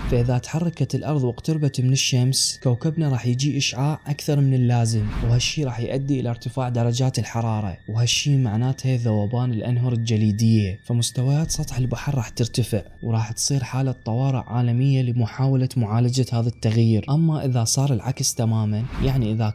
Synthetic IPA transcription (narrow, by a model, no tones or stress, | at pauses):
faʔɪðat̪ħɑrˤːɑkat̪lʔɑɾˤðˤwɪqt̪ʊɾbat̪mɪnɪʃːamskawkabnaɾˤɑːħjɪd͡ʒiːʔɪʃʕaːʕʔakθɑɾˤmɪnɪlːaːzɪmwhaʃːiːɾˤɑːħjʔad̪ːiʔɪlaɾt̪ɪfaːʕd̪ɑɾˤɑd͡ʒaːt̪ɪlħɑɾˤɑːɾˤɑ̰whaʃːiːmaʕnaːt̪haðːawaːbaːnɪlʔanɦʊɾˤɪld͡ʒaliːd̪ɪjːafamʊst̪awajaːt̪sˤɑt̪ˤħɪlbaħɑɾˤɑːħt̪ɪɾt̪afɪʕwɾˤɑːħt̪sˤiːɾħaːlat̪ˤːɑwɑːɾɪ̰ʕʕaːlamɪjːalimʊħaːwalamʊʕaːlad͡ʒahaːðat̪ːaɣjiːɾʔamːaʔɪðasˤɑːɾˤɪlʕakst̪amaːmanjaʕniʔɪða